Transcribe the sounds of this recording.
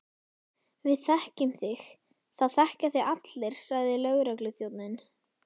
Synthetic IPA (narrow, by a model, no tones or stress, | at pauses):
vɪðθɛhcɪmθɪx | θaðθɛhcaθɪɣat̪lɪɾ̥saɣðɪlœːɣɾaklʏθjowt̪nɪn